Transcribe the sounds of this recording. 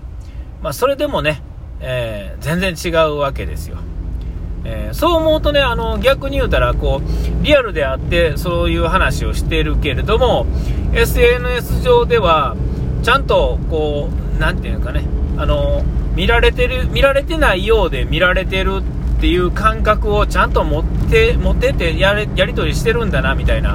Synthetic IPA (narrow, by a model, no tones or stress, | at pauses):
maso̞ɾe̞d̪e̞mo̞ne̞ | eːzẽ̞nd͡zẽ̞ɲ̟t͡ɕiɡaɯ̟βake̞̰d̪e̞̰sɨjo̞̰ | eːso̞ːmo̞ɯt̪o̞ne̞ano̞ɡʲakɯ̟ɲ̟ijɯ̟ːt̪aɾako̞ːɾʲiaɾɯ̟d̪e̞at̪ːe̞so̞ːjɯ̟ːɦanaɕio̞ɕi̥t̪e̞ɾɯ̟ke̞ɾe̞d̪o̞mo̞e̞sɨenɯ̟e̞sɨʑo̞ːd̪e̞βat͡ɕãnt̪o̞ko̞ː | nãnt̪eɯ̟̃skane̞ano̞mʲiɾaɾe̞t̪e̞ɾɯ̟mʲiɾaɾe̞t̪e̞naijo̞ːd̪e̞mʲiɾaɾe̞t̪e̞ɾɯ̟t̪ːe̞jɯ̟ːkãŋkakɯ̟o̞t͡ɕãnt̪o̞motemo̞t̪ːe̞t̪e̞ja | jaɾʲit̪o̞ɾʲiɕi̥t̪e̞ɾɯ̟̃nd̪anamʲit̪aina̰